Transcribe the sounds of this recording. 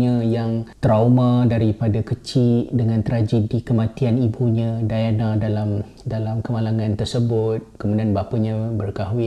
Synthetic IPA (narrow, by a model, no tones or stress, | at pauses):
ɲə̃jaŋt̪ɾamãdaɾipadakət͡ʃidəŋãnt̪ɾad͡ʒədikəmãt̪ianibuɲãdajanãdalam | dalamkəmalaŋãnt̪ərsəbʊt̪̚kəmudianbapaɲãbərkaɦuɪ